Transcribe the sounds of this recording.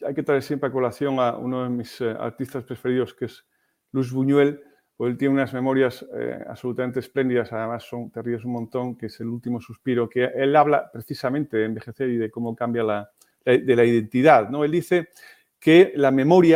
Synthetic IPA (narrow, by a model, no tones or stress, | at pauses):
ajket̪ɾaeɾsjempɾeakolaθjo̞ŋaṵnoðemisa̰ɾt̪ist̪aspɾefe̞ɾiðoskez | lwuizβuɲwel | poselt̪jeneunazmẽ̞mo̞ɾjasḛa̰βso̞lut̪ament̪esplend̪iðasaðe̞masːo̞nt̪eriβesumːõnt̪o̞ŋkeselult̪imo̞suspiɾokeʔelaβlapɾeθisamẽnt̪eðeːmbe̞xe̞θeɾiðekomokambjala | ld̪elaiðe̞nt̪iðaðnoeld̪iθe | kelamẽ̞moɾja